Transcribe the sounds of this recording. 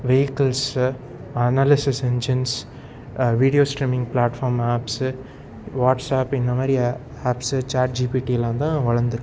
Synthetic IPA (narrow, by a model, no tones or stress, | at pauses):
ʋejɪkɐls | ɐnaːlɪsɪsɛɲd͡ʒɐns | ʋiːɽɪjoːsʈɾiːmɪ̃ŋɡpɭaːʈfaːɾmaːps | ʋaːʈsaːpɪnd̪ɐmaːɾi | aːpst͡ʃaːɾʈ̚d͡ʒiːpiːʈiɛlːãːnt̪ãːʋɐɭɐɾnd̪ɯɾɯkː